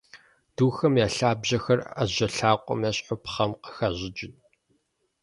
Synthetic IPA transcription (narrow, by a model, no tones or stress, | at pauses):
d̥uːxɐmjaːɬaːbʑɐxɐra̰ʑɐɬaːqʷʼɔ̰mjaɕʼħʊpχɐmqəxaʑɪd͡ʒɪn